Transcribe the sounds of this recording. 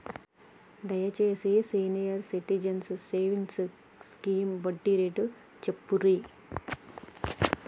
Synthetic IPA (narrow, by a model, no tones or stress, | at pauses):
d̪ɐjɐt͡ʃeːsesiːnijɐɾsiʈid͡ʒɐnsseːʋiŋsskiːmbɐɖːiɾeʈut͡ʃepːuɾi